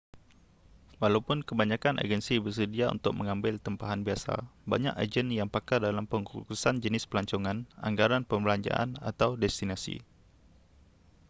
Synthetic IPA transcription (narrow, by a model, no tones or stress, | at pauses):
walawpʊnkəbaɲãkanʔa̰d͡ʒɛnsibərs̬ədiaṵnt̪ʊk̚mʔə̃ŋãmbɪlt̪əmpaɦanbiasa̰ba̰ɲa̰ka̰d͡ʒənjaŋpakardalampəŋuɾusand͡ʒənɪspəlaɲt͡ʃɔŋãna̰ŋɡaɾanpəmbəlaɲd͡ʒa̰ʔa̰na̰t̪awdɛst̪inasḭ